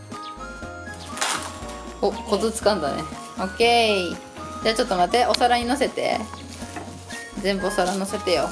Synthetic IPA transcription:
oko̞zɨt͡sɨ̥kãnd̪anḛ | o̞ke̞ | d͡ʑat͡ɕo̞t̪ːo̞mat̪eʔo̞saɾaɲ̟ino̞se̞t̪e̞̰ | zẽ̞mbɯ̟o̞saɾanose̞t̪e̞jo̞

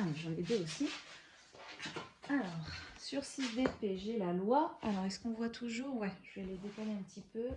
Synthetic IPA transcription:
ʒə̃ed̪eosi | alɔːʁsyʁsisd̪epeʒelalwaalɔʁɛskɔ̃vwat̪ʰuʒuːʁwɛʒ̥əvɛled̪et̪ajeɛ̃pət̪ʰipø

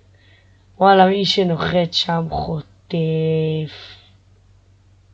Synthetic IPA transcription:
walamiʃenoχet̪ʃamχot̪ef

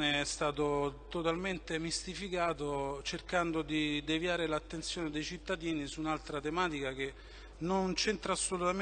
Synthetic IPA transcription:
neɛst̪aːt̪ot̪ot̪alment̪emist̪ifikaːt̪ot͡ʃerkand̪od̪id̪evjaːɾelat̪ːent̪sjoːned̪ejt͡ʃit̪ːad̪iːnisuːnalt̪ɾat̪emaːt̪ikake | nont͡ʃent̪ɾaːsːolut̪am

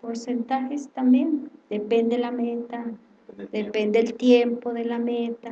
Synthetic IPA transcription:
poɾsent̪axest̪ambjend̪̥epend̪elamet̪a | d̪epend̪eelt̪jempoðelamet̪a

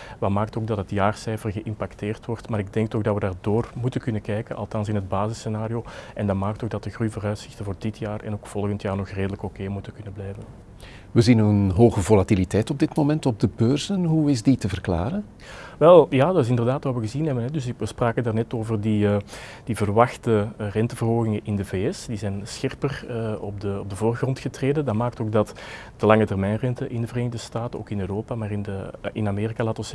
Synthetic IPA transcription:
ʋɑmaːk̚toːɡ̚dɑtətjaːrsɛjfərɣəʔɪmpakteːrtʋɔrtmaːɾɪɡ̚dɛŋk̚tɔxdɑtʋədaːrdoːrmutəkʏnəkɛjkənʔɑ̰lˠtɑnsɪnɦəd̚baːzɪsenaːɾioʔɛndɑmaːk̚toːxdɑt̚dəɣrujvoːɾœɥtsɪxtənvoːrdɪtjaːrɛ̰noːkfɔlˠɣəntjaːrnɔxreːdələkokeːmutəkʏnəblɛjvən | ʋəzinənɦoːɣəvolatilitɛjtɔb̚dɪtmomɛntɔb̚dəbøːrzənɦuɪzditəvərkla̰ːɾən | ʋɛlˠjaːdɑtɪs̬ɪndərdaːtʋaːʋəɣəzinɦɛbənɦɛdʏs̬ʋəspraːkəndaːrnɛtoːvərdiə | d̥ivərʋɑxtərɛntəvərɦoːɣɪŋənʔɪndəveːɛsd̥izɛjnsxɪrpərɔb̚dəɔb̚dəvoːrɣrɔntxətreːdədɑmaːk̚toːɡ̚dɑt | d̥əlɑŋətɛrmɛjnrɛntəʔɪndəvəreːnɪɣdəstaːtəno̰ːkɪnøːroːpamaːrɪndəɪ̰nameːɾikalaːtɔs

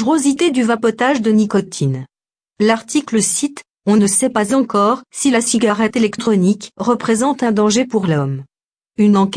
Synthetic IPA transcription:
ʁozit̪ed̪yvapɔt̪aʒd̪ənikɔt̪ʰin | laʁt̪ikləsit̪ | ɔ̃nəsɛpazɑ̃kɔʁsilasiɡʲaʁɛt̪elɛkt̪χɔnikʁəpχezɑ̃t̪ɛ̃d̪ɑ̃ʒepuʁlɔm | ynɑ̃k

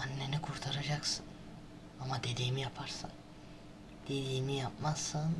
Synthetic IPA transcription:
anːenikʰuɾt̪ʰaɾad͡ʒaksɯn | amad̪ed̪ejmijapʰaɾsɯ̰n | d̪̥ed̪ejmijap̚masɯn

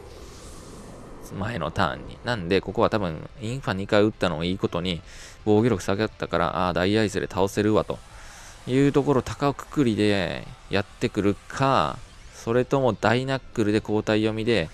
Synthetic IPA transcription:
mae̞no̞̰t̪ã̰ɲ̟ːḭnãnd̪e̞ko̞ko̞βat̪abɯ̟̃ŋĩɰ̃ɸaɲ̟ikaiɯ̟t̪ːano̞ːiːko̞t̪o̞ɲ̟i | bo̞ːɡʲiɾo̞kɯ̟̥saɡet̪ːakaɾa̰ʔa̰ːd̪aiaisɨd̪ɾe̞̰t̪ʰao̞se̞ɾɯ̟βat̪o̞̰ | jɯ̟ːt̪o̞ko̞ɾo̞t̪akaokɯ̥kɯ̟ɾʲid̪e̞jat̪ːe̞kɯ̟ɾɯ̟kʰa | so̞ɾe̞t̪o̞mo̞d̪ainakːɯ̟ɾɯ̟d̪e̞ko̞ːt̪aijo̞mʲid̪e̞

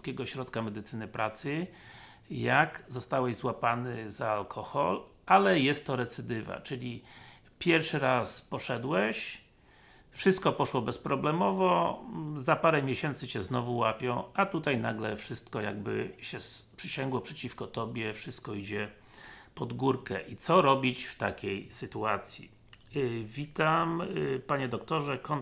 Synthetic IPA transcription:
skʲɛɡɔɕɾɔt̪kamɛd̪ɘt̪sɘnɘpɾat̪sɘ | jaɡzɔst̪awɛʑzwapanɘzaːlkʰɔxɔ̰l | alɛjɛst̪ːɔɾɛt̪sɘd̪ɘva̰t͡ʂɘlʲi | pʲjɛɾfʂɘɾaspɔʂɛd̪wɛɕ | fʂɘst̪̚kɔpɔʂwɔbɛspɾɔblɛmɔvɔzapaɾɛmʲjeɕɛnt̪sɘt͡ɕɛznɔvuwapʲjɔ̃w̃at̪ut̪ajnaɡlɛfʂɘst̪kɔja̰ɡbɘ̰ɕɛspʂɘɕɛŋɡwɔpʂɛt͡ɕifkɔt̪ɔbʲjɛfʂɘst̪̚kɔid͡ʑɛ | pɔd̪ɡuɾkɛʔit̪sɔɾɔbʲit͡ɕft̪akʲejsɘt̪uat̪sʲjḭ | vʲit̪ampaɲɛd̪ɔk̚t̪ɔʐɛkɔn

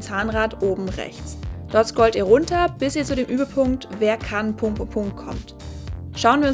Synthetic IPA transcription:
t͡saːnʁaːtʔoːbm̩ʁɛ̰çt͡sd̥ɔɐtskɔltiːɐʁʊntʰɐb̥ɪsiːɐt͡sudeːmʔyːbɐpʰʊŋk̚tveːɐkʰanpʰʊpʰʊŋkt̚kʰɔ̰mt | ʃaʊənviːɐʊ

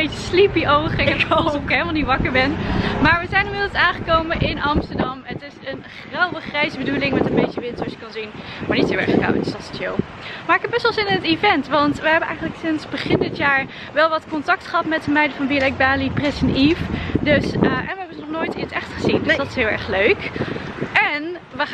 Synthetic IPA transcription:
ejtəslipiʔowχɪkoɪkɦelˠmalˠnitʋɑkəɹbɛnmaːɹʋəzɛjnɪmɪdlsaːnχəkowmənʔɪnɑmstəɹdɑmətɪsənχrɑwʋəχrɛjzəbədulɪŋmɛtəmbejtəʋɪntəɹskɑnzin | maːɹnithoːlɛ̰ɹχkɑ̰wə̰tɪ̥sɑsə̥tjḛlˠ | maːɹɪkɛb̚ɛsʋlˠzɪnnətivɛntʋɑntʋəɦɛbənʔɛ̰jχənləksɪnzbəχɪndɪtjaːɹ | ʋɛlˠʋɑtkɔntɑk̚tχəɦɑtmɛtəmɛjdəvɑnbilɛɡ̚baːlipresənifdøsəʔɛnʋəɦɛbənnɔχnojtisɛχtχəzindəsdɑtɪ̥sɦɪːlˠɛ̰ɹχløɥk | ɛn | ʋə

